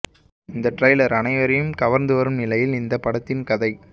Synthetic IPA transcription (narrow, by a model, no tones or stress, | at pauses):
ɪnd̪ɐʈrɐjlɐɾɐnɐɪʋɐɾɐjɯmɡɐʋɐɾnd̪ɯʋɐɾɯmnɪlɐjɪlɪnd̪ɐpːɐɽɐt̪ːɪnkɐðɐɪ